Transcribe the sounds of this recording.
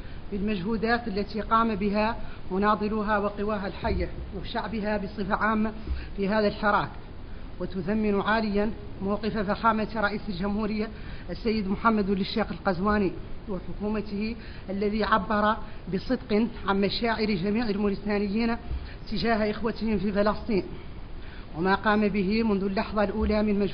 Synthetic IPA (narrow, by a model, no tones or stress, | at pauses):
bɪlmæʒhuːd̪aːt̪alːæt̪iqɑːmabɪɦamʊnɑːd̪ˤɨluɦawɪqɨwaːɦalħajːawɪʃaʕbɪɦabɨsˤɨfaʕaːmːafiɦaːðilħɑɾˤɑːk | wɪt̪ʊðamːɪnʊʕaːlɪjːanmawqɨfafaxaːmat̪ɾˤɑʔiːsəlʒʊmhuːɾɪjːaʔæsːajːəd̪mʊħamːæd̪wɪlɪʃːeːxəlqɑzwaːniwɪħʊkuːmat̪hi | ʔælːæðiʕabːɑɾˤɑbɨsˤɨd̪qɨnʕanmæʃaːʕɪɾʒæmiːʕɪlmʊɾɪst̪aːnɪjːiːnt̪ɪʒaːhʔɪxwat̪hɪmfifɪlɑsˤt̪ˤiːn | wmaqɑːmabɪɦimʊnðulːɑħðˤɑlʔuːlamɪnmæʒ